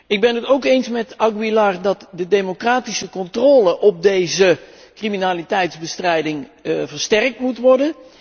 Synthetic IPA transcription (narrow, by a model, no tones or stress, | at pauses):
ɪɡ̚bɛnətowkejnsmɛtɑɡbilardɑtdədejmokraːtisəkɔntroːləʔɔp̚dejzə | kriminaːlitɛjtzbəstrɛjdɪŋvəɹstɛrk̚tmutʋɔɹdən